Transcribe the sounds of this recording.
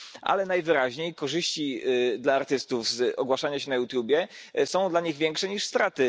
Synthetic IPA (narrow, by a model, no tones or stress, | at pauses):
ʔa̰lɛnajvɘɾaʑɲejkɔʐɘɕt͡ɕid̪laːɾt̪ɘst̪uvzɔɡwaʂaɲaɕɛnajut̪jubʲjɛ | sɔ̃w̃d̪laɲiɣvʲjɛŋkʂɛɲiʂst̪ɾat̪ɘ